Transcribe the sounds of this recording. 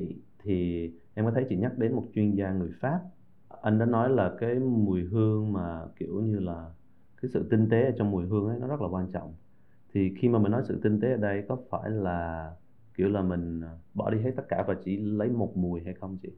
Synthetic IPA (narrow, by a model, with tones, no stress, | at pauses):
t̪ʰi˨˩ | ʔɛ˧mkɔ˨˦t̪ʰə˨˦jt͡ɕḭ˧˩ɲa˦˥k̚ɗe˨˦nmo˨˩t̚t͡ɕwi˧ənzaː˧ŋɨ˨˩əjfaː˦˥p̚ | ʔa˧jŋ̟ɗa̰ː˧˥nɔ˨˦jlaː˨˩kaː˨˦jmu˨˩əjɦɨ˧əŋmaː˨˩kḭ˧˩əwɲɨ˧laː˨˩ | kaː˨˦jsɨ̰˧˨t̪ï˧ŋ̟t̪e˨˦əː˧˩t͡ɕɔ˧wŋ͡mmːu˨˩əjɦɨ˧əŋʔə˨˦jnɔ˨˦zə˦˥t̚laː˨˩kwaː˧nt͡ɕɔ̰˧˨wŋ͡m | t̪ʰi˨˩xi˧maː˨˩mï˨˩n̟nɔ˨˦jsɨ̰˧˨t̪i˧ŋ̟t̪e˨˦ʔəː˧˩ɗə˧jkɔ˨˦faː˧˩jlaː˨˩ | ki˧˩əwlaː˨˩mï˨˩ŋ̟˩ɓɔ̰˧˩ɗi˧he˦˥t̪̚ə˦˥t̚kaː˧˩vaː˨˩t͡ɕḭ˧˩lə˨˦jmo˨˩t̚mu˨˩əjɦa˧jxə˧wŋ͡mt͡ɕḭ˧˨